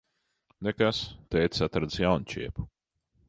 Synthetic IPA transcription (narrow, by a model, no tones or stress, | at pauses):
nekast̪ɛjt̪sat̪ɾad̪zjawnt͡ʃḭɛpu̥